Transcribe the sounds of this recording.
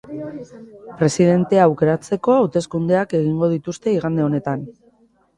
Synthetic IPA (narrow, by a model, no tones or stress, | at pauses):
pɾe̞siðe̞nt̪e̞aːwke̞ɾat͡se̞ko̞awt̪e̞skund̪e̞ake̞ɣ̞iŋɡo̞ðit̪ust̪e̞iɣ̞and̪e̞o̞ne̞t̪an